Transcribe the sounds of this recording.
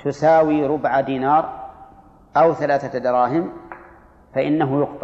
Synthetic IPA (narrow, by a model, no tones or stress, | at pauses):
t̪ʊsaːwiːɾʊbʕad̪iːnɑːɾˤ | ʔawθalaːθad̪ɑɾˤɑːhɪm | faʔɪnːaɦʊjʊqt̪ˤɑ